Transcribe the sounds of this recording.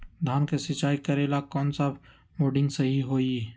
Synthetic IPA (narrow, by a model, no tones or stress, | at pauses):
d̪ʱaːnkesɪt͡ʃaːikɐɾeːlakɔːnsa | moːɖɪ̃ŋɡsɐɦiɦoːi